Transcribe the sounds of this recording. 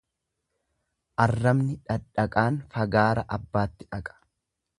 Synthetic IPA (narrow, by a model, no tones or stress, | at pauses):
ʔɐrːɐmnɪᶑɐᶑɐkʼaːnfɐɡaːɾɐʔɐbːaːt̪ːɪᶑɐkʼɐ̥